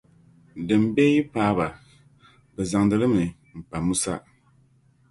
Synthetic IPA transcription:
dɨ˨mbɛ˦ji˦paː˦ba˨ | bɛ˨za˨ŋdɨ˨˦lɨ˦mɨ˨ | m̩˨pa˨mu˦sa̰˦

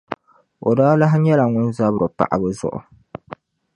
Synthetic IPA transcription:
o˨daː˦la˦ɦɲɛ˦la˨ŋʊ˦nza˦bɾɨ˨pa̰˨ʔa̰˨bɨ˦zʊ̰˦ʔʊ̰˨

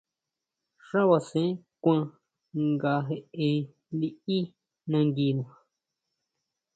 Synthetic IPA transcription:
ʂa˦wa˧sẽ˦kʷã˧ | ŋɡa˧ɦe˧ẽ˧ | li˦i˦ | nã˧ŋɡi˧nũ˨

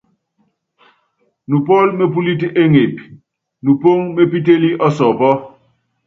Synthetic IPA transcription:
nu˨pɔ˦lme˦pu˦li˦tʔe˦ŋe˨p | nu˨po˦ŋme˦pi˦t̬e˦li˦ʔɔ˦sɔ˨pɔ˦

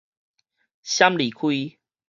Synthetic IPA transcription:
ɕja˦mli˨˩kʰwi˦

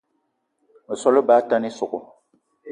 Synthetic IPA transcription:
mə˨sɔ˦lʊ˦baː˦ta˦ni˦sʊ˨ʔʊ˨

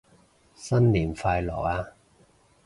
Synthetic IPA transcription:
sɐ˥nniː˨˩mfaː˧jlɔ̰ː˨˩aː˧

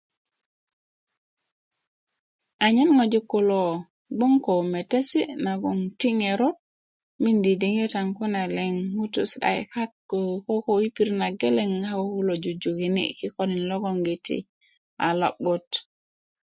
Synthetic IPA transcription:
a˨ɲa˦nŋo˨d͡ʒu˦kːu˨lo | ɡ͡bu˦ŋko˨me˨te˦si˦na˨ɡu˨ŋti˦ŋe˨ɾo˦t̚ | mi˦ndi˨di˨ŋe˦taŋku˦na˨leŋhu˦tusɗa̰j̰katkoko˦kowi˦pi˦ɾna˨ɡe˦le˦ŋa˦oku˦lo˨d͡ʒu˨d͡ʒo˨ɡi˨nḭki˦koni˨nlo˦ɡoŋɡitḭ | a˨la̰˨ɓot

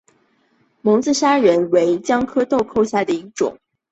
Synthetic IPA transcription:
mʊ˧˥ŋt͡sɹ̩˥˧ɕja˥ɻə˧˥nwe˧˥ɪt͡ɕjɑ˥ŋkʰɤ˥t̪o˥˧ʊkʰo˥˧ʊɕja˥˩d̪ə˩i˧˥ʈ͡ʂʊ̰˨˩˦ŋ

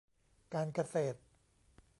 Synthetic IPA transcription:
kaː˧nka˧seː˨˩t̪̚

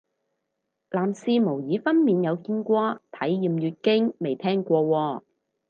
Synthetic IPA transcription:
laː˨msiː˧mo˨˩wjiː˨˥fɐ˥nmiː˨njɐ˨˧wkiː˥nkʷɔː˥t̪ʰɐ˨˥jːiː˨˧mjyː˨˧t̚kɪ˥ŋme˨jt̪ʰɛː˥ŋkʷɔː˧wɔː˧

